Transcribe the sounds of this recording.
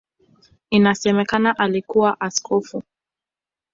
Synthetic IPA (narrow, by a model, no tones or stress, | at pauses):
inasɛmɛkanaʔalikuwaʔaskʰɔfu